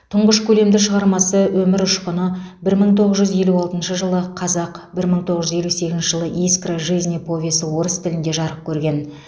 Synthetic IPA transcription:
t̪ʰʊɴʁəʃkʲʰɵle̞md̪ɪʃəʁɑɾmɑsəwɵmɪɾʊʃqənəbɪɾməɴt̪ʰo̞ʁəzʒʏzje̞luɑlˠt̪ənʃəʒəlˠəqʰɑzɑqbɪɾməɴt̪ʰoʁəʒʏzje̞luse̞ɡʲɪznʃɪʒəlˠəʔiskraʒijznepʰo̞vʲesəwo̞ɾəst̪ʰɪlɪnd̪e̞ʒɑɾəp̚kʲʰɵɾɡʲe̞n

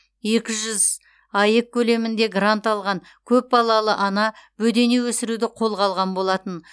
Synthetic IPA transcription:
je̞kʲɪʒʏz | ɑjəkʲʰːɵle̞mɪnd̪e̞ɡrant̪ɑlˠʁɑŋ | kʲʰɵp̚bɑlˠɑlˠəʔɑnɑbɵd̪e̞newɵsɪɾud̪ɪqʰo̞lˠʁɑlˠʁɑnbo̞lˠɑt̪ən

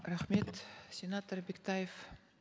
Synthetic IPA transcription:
ɾæχmet̪sʲenat̪orbekt̪ɑjef

